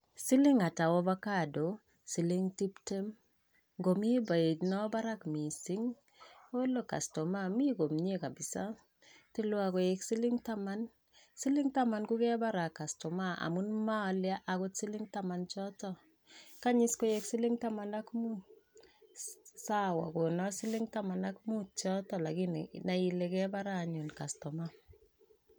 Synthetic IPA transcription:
si˦li˦ŋa˨ta˨wo˦ba˦ka˨do˨ | si˨li˦ŋti˦pte˦m | ŋɡo˨mi˦ba˨e˨tnɔ˦ba˦ɾa˦kmi˨si˦ŋ | o˦lo˨ka̰˨stɔ˨ma˦mi˦ko˨mɲ˦e˦ka˨bi˨sa˦ | ti˦lwa˨ko˨jeksi˦li˦ŋta˦ma˦n | si˦lɪ˦ŋta˦ma˨nku˦kɛ˦ba˦ɾa˨ka˨stɔ˨ma˦ʔa̰˨mu˦nma˦ɔ˨lja˦ʔa˨ko˦tsi˦lɪ˦ŋta˦ma˨nt͡ʃɔ˦tɔ˦ | ka˦ɲɪ˦sko˦je˦ksi˦lɪ˦ŋta˦ma˨na˦kmu˦ | sa˦wa̰˨ko˨nɔ˦si˦lɪ˦ŋta˦ma˨na˦kmu˦t͡ʃɔ˦tɔ˨la˨ki˦nna˨i˨le˨kɛ˦ba˦ɾa˨ɲo˨nka˨stɔ˨ma˦

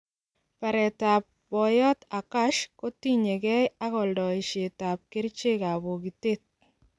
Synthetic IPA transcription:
pa˨ɾɛ˨ta˨p̚ | bɔ˨jɔ˦ta˨ka˦ʃko˦ti˦ɲe˨kɛ˦ja˦kɔ˨ldɔ˨ɪ˨ʃe˨ta˨p̚kɪ˦ɾt͡ʃɪ˦ka˨βɔ˨ɡi˨te˦t̚

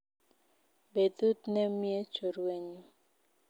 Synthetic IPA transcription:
be˨d̪u˦t̪nɛ˦mje˦t͡ʃo˨ɾwe˦ɲo˨

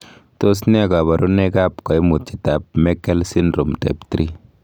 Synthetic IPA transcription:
to˦s̬ni˦a˨ka˨ba˨ɾu˦nɛ˦ka˦pkɔ˨jmu˨t̚t͡ʃi˨ta˨p̚mɛ˦kːɛ˦lsi˦ndɾo˨mtɛ̰˨ptɾi˦

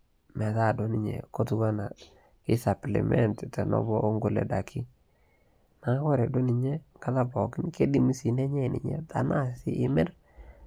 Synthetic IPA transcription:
mɛ˨ta˦˨do˨nɪ˦ɲḛ˨ko˦tu˦ɡa˦na˨ | kɪ˦sa˨plḭ˨mɛ˦nttɛ˨nɔ̰˦bɔ˦ʔo˦ŋɡu˨lɛ̰˨da˨kʰi˦ | na˨˦kɔ˦ɾɛ˨do˦ni˨ɲɛ˦ŋɡa˦ta˦bɔ˨kɪ˦nke˦di˨mi˦si˨nɛ˦ɲɛ˦˨nɪ̰˨ɲɛ̰˦ta̰˨na˦˨sɪ̰˦ʔɪ˦mɛ˦r

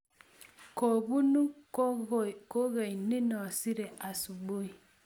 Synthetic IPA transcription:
kɔ˨βu˦nu˦˨ | ko˦ɣe˨i˨ni˦nɔ˨si˦ɾɛ˨ʔa˨su˨ɓo˦i˨

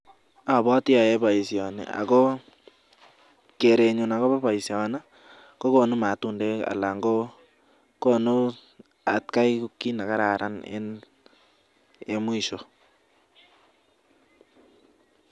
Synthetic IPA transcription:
a˨βɔ˦tja˨e˦ba˨i˨sjɔ˨nɛ̰˨a̰˨ko˦ | ke˨ɾe˨ɲu˨na˨ko˦ba˦βa˨i˨sja˨na˦ | ko˦ko˦nu˦ma˨tu˨nde˦a̰˨la˨ŋɡo˦ | ko˦nu˦ | a˨t̚ka˦iku˦kːi˦na˨ka˦ɾa˨ɾʔa˦nḛ˦n | e˦mwi˨ʃo˨

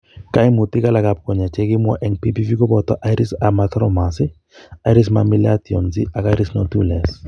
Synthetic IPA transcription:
ka˦i˦mu˨t̪i˦ka˦la˨ka˨p̚kɔ˨ɲa˨t͡ʃe˦kɪ˦mwɔ˦ʔɛ˦ŋpi˦pi˦vi˦kɔ˦bɔ˨t̪ɔ̰˦ʔa˦jɾi˦sama˦t̪ɾɔ˦ma˨sɪ˦ | a˦iɾi˦s̬ma˨mi˦lat̪i˨ɔ̰˨nzḭ˦a˨ka˦jɾi˦snɔ˦tṵ˦˨lɛ˨s

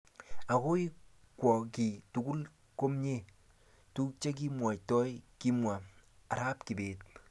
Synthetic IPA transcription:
a˨ko˦i˦ | kwɔ˨ki˨tu˨ɡu˦l | ko˦mɲe˦˨ | tu˦k̚t͡ʃe˦k̬i˦mwa˨tɔ˦jki˦mwa˨a˨ɾa˦p̚ki˨beː˨t̚

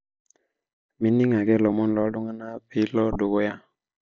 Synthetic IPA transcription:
mi˦nːi˦ŋa˨ɡɛ˦lɔ˨mɔ˦nlɔ˨˦do˦ŋa˦na˦pi˦lɔ˦do˨ɡo˦ja˦

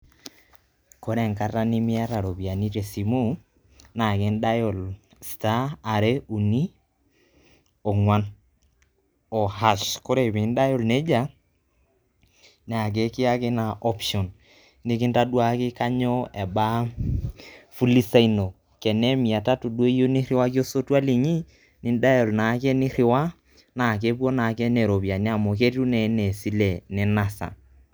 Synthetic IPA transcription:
ko˦ɾɛ˨ŋka˦ta˦nɪ˦mɪ˦a˦ta˨ɾo˨bi˨a˨ni˦ɾe˨si˨mu˦ | na˨kɪ˨˦nda˦jɔ˨l | staː˦˨ɾe˦u˨ni˦ | ɔ˨ŋwa˦n | ɔ˨ha˨ʃkɔ˦ɾe˨βɪ˨˦nda˦jɔ˦˨lne˦d͡ʒa˦ | ne˨a˨k̬e˦kɪ˦a˦kɪ˦na˨ʔɔ˦pʃɔ˨n | nɪ˦kɪ˦nta˦dwa˦kɪ˦ka˦ɲɔ˦ɛ˨ba˦ | fu˦li˦sa˦i˦no˨ | kɛ˨nɛ˦mi˨a˨ta˦tu˨de˦i˦jo˦ni˦ɾɪ˦wa˦kjo˦so˦twa˦li˨ɲi˦ | nɪ˨n˦da˦jɔ˨lna˨˦kɛ˦nɪ˦ɾɪ˨wa˦ | na˨k̬e˦pwo˦na˨kɛ˦nɛ˨ɾo˨pja˨n˦a˦˨mo˨ke˦tu˦nɛ˨˦nɛ˨si˦lɛ˨nɛ˦na˨sa̰˨

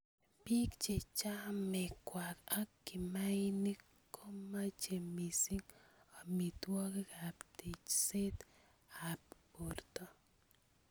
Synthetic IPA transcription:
pi˦kt͡ʃet͡ʃa˦mekwaka˦kːi˨majni | kːo˦ma˦t͡ʃemi˨si˦ŋa˨mi˨t̪wɔ˦kekapt̪it͡ʃse˦t̪ | ap̚poɾt̪o

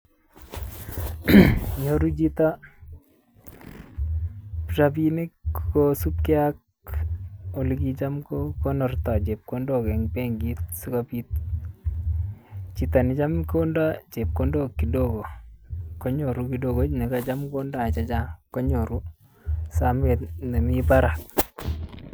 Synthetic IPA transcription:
ɲo˨ɾu˦t͡ʃi˦ta˦ | prabi˦nɪ˦kkosu˦p̚kɛ˦a˦k̚ | o˨likit͡ʃa˦mkoko˦nɔ˨rtɔ˨t͡ʃe˨p̚kondo˦kɛ˨ŋpɛ˦ŋɡi˦t̚su˦kapit̚ | t͡ʃi˨ta˨ni˨t͡ʃa˦mko˦nda˦t͡ʃe˨p̚kondo˦kːi˨doɡo˨ko˦ɲo˨ɾu˦ki˨doɡo˦ni˨ka˦t͡ʃa˦mko˦nda˦˨t͡ʃa˦t͡ʃa˦ko˦ɲo˨ɾu˦ | same˨ne˨mipa˦ɾa˨k̚

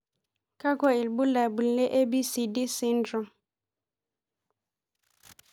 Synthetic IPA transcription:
ka˦kɔ˦i˨lbu˦la˨bu˨lle˦ʔe˦bi˦si˨di˦si˦ndɾɔ˨m

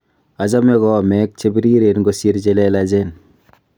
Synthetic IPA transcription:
a˨d͡ʒa˦me˦ɡɔ˦mɛ˦k̚t͡ʃe˦bi˦ɾi˦ɾe˨nɡosi˦ɾd͡ʒelelad͡ʒen

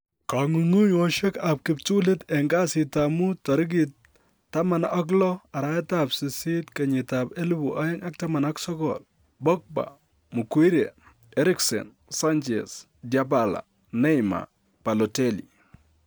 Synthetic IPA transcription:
kaŋu˨ŋu˦ɲɔ˦ʃɛ˦ka˨p̚kɪ˨pt͡ʃu˦le˦tɛ˨ŋɡa˦sɪ˨tamu˦ta˨ɾɪ˦ɡ̬i˨t | tːa˦ma˨nɔ˦k̬lɔ˦a˨ɾa˦tapsɪ˨si˦tkɛ˨ɲɪ˨tape˦lu˦bu˨ʔa˦jɪ˦ŋa˦k̚ta˦ma˨naksɔ˦kɔ̰l | bɔ˦k̚ba̰˨ | mu˨kwi˦ɾe˨ | ɛ˦ɾɪ˦ksɛ̰˨n | sa˦nt͡ʃɛ̰˨s | dja˨pa˦la̰˨ | nɛ˦jma̰˨ | pa˨lɔ˨te˦lḭ˨

